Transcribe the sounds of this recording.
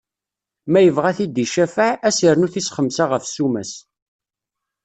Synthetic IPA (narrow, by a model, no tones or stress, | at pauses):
mæjəvʁæθid̪iʃæfaʕæsəɾnʊθisχəmsaʁəfsumæs